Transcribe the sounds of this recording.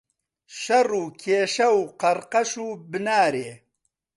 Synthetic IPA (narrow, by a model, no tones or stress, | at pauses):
ʃɐruːkʰeːʃɐwqɐɾqɐʃuːbɨnaːɾeː